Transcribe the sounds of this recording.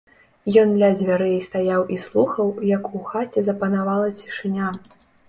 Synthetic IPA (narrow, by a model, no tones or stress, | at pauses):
jɔnd̪lʲad͡zʲvʲaɾɛjɛjst̪ajawʔislˠuxɐwjɐkuxat͡sʲɛzɐpɐnavalˠɐt͡sʲi̥ʂɨnʲa